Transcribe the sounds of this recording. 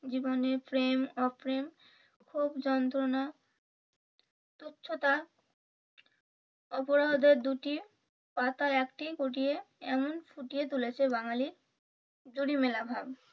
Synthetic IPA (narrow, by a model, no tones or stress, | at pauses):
d͡ʑiboneɾfɾemɔfɾem | kʰubd͡ʑɔnt̪ɾona | t̪otːɕʰot̪a | ɔpoɾaod̪eɾd̪uʈi | pat̪aekʈikoʈ̬ijeɛmonfuʈiet̪ulet͡ɕʰeβaŋaliɾ | d͡ʑuɽimelabʱab